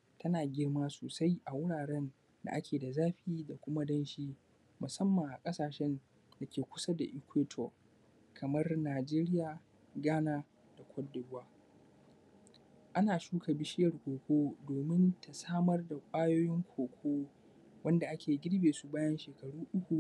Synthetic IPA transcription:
tʰɐ˦naː˨ɡʲɪ˦rmaː˦soː˨sa˦jʔa˨wʊ˦ɽaː˨ɽɛ˦n | da̰˨ʔa˦kʲʰeː˨da˨zaː˦ɸɪ˦iː˦da˨kʷʊ˦ma˦dɐ˦nʃiː˦ | mʊ˨sɐ˦mːa˨ŋʔa˨kʼɐ˦saː˨ʃɛ˦n | da˨kʲeː˨kʷʊ̥˦sa˦da˨ʔɪ˦kʷeː˦tʰɔ̰˨ | kʰɐ˨mɐ˦rnaː˨d͡ʒeː˦ɾɪ˦jaː˨ | ɡaː˦naː˦ | d̥a˨kʷʰɐ˦dːʊ˨bwaː˦ | ʔa˦naː˨ʃuː˦kʰa˨bɪ˦ʃɪ˦jɐ˨rkʷoː˨kʷoː˦doː˨mɪ˦ntʰa˨saː˦mɐ˦rda˨kʷʼaː˦joː˦jɪ˦ŋkʷʰoː˨kʷʰoː˦ | wɐ˦nda˨ʔa˦kʲʰeː˨ɡʲɪ˦ɽbeː˨su˦baː˦jɐ˦nʃeː˨kɐ˨ɽuː˦ʔʊ˦kʷu˨

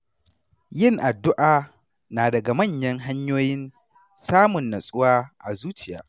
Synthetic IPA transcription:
jɪ˦˨ŋʔa˨dːʊ˦ʔaː˨ | naː˨dɐ˨ɡa˨mɐ˦˨ɲjɐ˦ŋɦa˦ɲjoː˦jɪ˦n | saː˦mʊ˨nːɐ˨sʼʊ˦waː˦ʔa̰˨zuː˦t͡ʃɪ˨ja̰ː˨

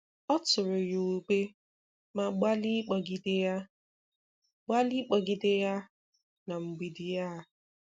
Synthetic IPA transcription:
ɔ˦tʊ˨ɾʊ˨jo˨o˨ɡ͡be˦ | ma˨ɡ͡ba˦li˦k͡pɔ˨ɡi˨dɪ˦ja˦ | ɡ͡ba˦li˦k͡pɔ˨ɡɪ˨dɪ˦ja˦ | na˨ŋ͡m̩˨ɡ͡bi˨dɪ˨ja˦˨

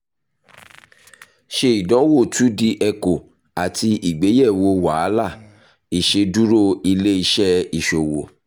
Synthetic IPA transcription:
ʃe˧i˨dɔ˨˦wo˦˨tu˨˦di˧ʔɛ˧ko˨ | a˨ti˧ʔi˨ɡ͡be˨˦jɛ˦˨wo˧wa˨˦la˦˨ | i˨ʃe˧du˦ɾo˦˨i˧le˦i˧ʃɛ˦i˨ʃo˨wo˨

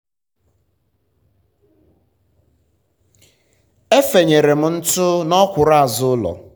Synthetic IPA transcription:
e˦fe˨ɲe˨ɾe˨m̩˦n̩˦tʊ˦nɔ˦kʷʊ˨ɾa˦˨zʊ˦lɔ̰˨

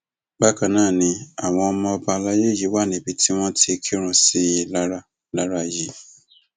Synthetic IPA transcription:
ɡ͡ba˦kã˨nãː˦˨nĩ˧a˨w̃ɔ̃˧ɔ˧mɔ̃˧ɔ˧ba˧la˦je˦˨ji˨˦wa˦˨nĩ˨˦bi˧tʰi˦w̃ɔ̃˦tʰi˧kʰi˦ɾ̃ũ˨si˦˧la˦ɾa˦ | la˦ɾa˧˨ji˨˦

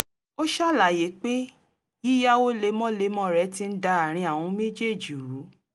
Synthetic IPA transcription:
o˦ʃa˦˨la˨je˨˦k͡pe˦ | ji˦ja˦o˦le˧˦mɔ̃˦le˧˦mɔ̃˦˨ɾɛ˨˦ti˦n̩˦da˧a˨ɾ̃ĩ˧a˨w̃ɔ̃˧˦me˦d͡ʒe˦˨d͡ʒi˨ɾu˨˦

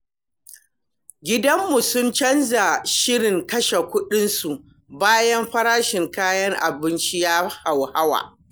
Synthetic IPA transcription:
ɡʲɪ˦dɐ˦mːu˨sʊ˦nt͡ʃɐ˦nza˨ʃɪ˦ɽɪ˨ŋkɐ˦ʃe˨kʷʊ˦ɗɪ˦nsu˨ʔ | baː˦jɐ˦mɸɐ˦ɾaː˦ʃɪ˨ŋkaː˦jɐ˦ŋʔa̰˨bɪ˦nt͡ʃi˦ja˦ha˨wha˦wa̰ː˨

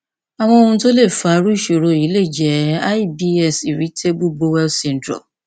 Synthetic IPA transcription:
a˨w̃ɔ̃˧o˧ũ˧˦to˦le˦˨fa˨˦ɾu˦˨ʃo˨ɾo˧i˨˦le˦˨d͡ʒɛ˨˦a˦i˦bi˧ɛ˧˨si˨ɾi˨˦tʰe˦bu˦bo˧wɛ˦lsɛ̃˨n̩˨˦dɾɔ̰˨

